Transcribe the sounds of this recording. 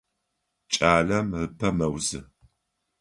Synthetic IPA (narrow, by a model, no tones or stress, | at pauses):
t͡ʃʼaːɮɐmrɨpʰɐmɐwzɨ